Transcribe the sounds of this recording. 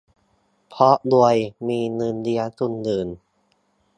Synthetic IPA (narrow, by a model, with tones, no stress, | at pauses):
pʰɔ˦˥ʔlu˧˩əjmiː˧nɯː˧˩ndi˧ɐtu˧ndɯː˨˩n